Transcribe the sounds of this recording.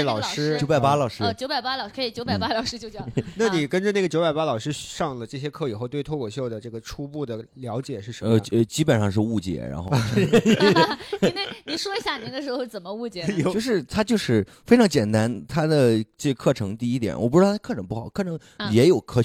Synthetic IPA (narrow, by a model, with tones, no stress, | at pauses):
lɑ˨˩ʊʂɻ̩˥jo˧˥a˨˩pa˥lɑ˨˩ʊʂɻ̩˥˧˩t͡ɕjo˥pa˨˩ɪpa˥lɑ˨˩ʊʂkʰt͡ɕjo˧˥ʊpa˨˩ɪpa˥lɑ˨˩ʊʂɻ̩˥t͡ɕjo˥˧ʊt͡ɕɑ˥˩˥na˥˩ni˨˩kə˥nʈ͡ʂə˧na˥˩ɡə˩t͡ɕjo˧˥ʊpa˨˩ɪpa˥lɑ˨˩ʊʂɻ̩˥˧ʂɑ˥˩ŋlə˩ʈ͡ʂɤ˥˩ɕ̬jɛ˥kʰɤ˥˩i˨˩xo˥˧ʊt̪we˥˧ɪt̪ʰo˥˧kʰɔ˨˩ɕjo˥˩ʊd̪ə˩ʈ͡ʂɤ˥˩ɡə˩ʈ͡ʂʰu˥pu˥˩d̪ə˩ljɑ˧˥ʊt͡ɕjɛ˨˩ʂɻ̩˥˩ə˧˦mə˧ə˧˩t͡ɕi˥pə˨˩nʂɑ˥˧ŋʂɻ̩˧u˥˩t͡ɕjɛ̰˨˩˥ɻa̰˧˥nx | ne˥˩ni˨˩ʂwɔ˥i˧˥ɕja˥˩ni˨˥d̪ə˧ʂɻ̩˧˥xo˥˧t͡sə˨˩nmə˦u˥˩t͡ɕjɛ˧˥˧t͡ɕo˥˧ʊʂɻ̩˥˩t̪ʰa˥t͡ɕjo˥˧ʊʂɻ̩˥˩ | fe˥ɪʈ͡ʂʰɑ˧˥ŋt͡ɕjɛ˨˩nt̪a˥nt̪ʰa˥d̪ə˨ʈ͡ʂɤ˥˩ə˧kʰɤ˥˩ʈ͡ʂʰɤ˧˥ŋt̪i˥˧i˥t̪jɛ̰˨˩nwɔ˨˩pu˥˩ɻt̪ʰkʰʈ͡ʂʰɤ˧˥ŋpu˥˩xɑ˨˩˦ʊkʰɤ˥˩ʈ͡ʂʰɤ˧˥ŋ | jɛ˧˥jo˨˩ʊkʰɤ˥